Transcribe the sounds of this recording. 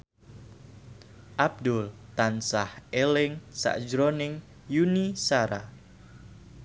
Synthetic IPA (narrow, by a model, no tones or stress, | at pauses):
ʔab̚d̪ʊlt̪ansahʔelɪŋsa̰ʔd͡ʒɾonɪŋ | junisaɾa